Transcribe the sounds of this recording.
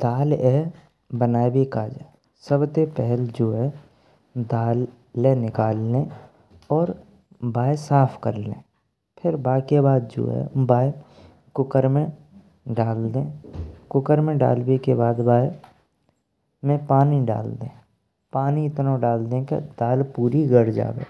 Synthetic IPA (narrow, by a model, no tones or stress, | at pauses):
d̪̥aːlɛ | bənaːebʱikaːd͡ʒaː | səbt̪epɛɦld͡ʒoːɦɛ | d̪aːl | ẽnɪkaːlːẽ | ɔːɾ | baːesaːpʰkəɾlḛ̃ː | pʰɪɾbaːkebaːd̪d͡ʒo̰ːɦɛ̰baːe | kʊkəɾmẽ | ɖaːld̪ẽːkʊkəɾmẽɖa̰ːlbekebaːd̪baːe | mẽpaːniɖa̰ːld̪ẽː | paːniɪt̪nõɖaːld̪ẽkḛd̪aːlpuːɾiɡəɾd͡ʒa̰ːbḛː